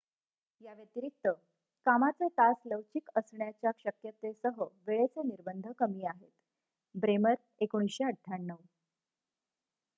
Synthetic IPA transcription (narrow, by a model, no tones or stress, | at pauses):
jaʋjət̪iɾik̚t̪ə | kamat͡set̪asləʋt͡ɕikəsɳjat͡ɕjakɕəkjət̪esəɦəʋeɭet͡seniɾbənd̪ʱəkəmiːaɦet̪ | bɾeməɾ | ekoɽ̃isɕeəʈʰːanːəʋ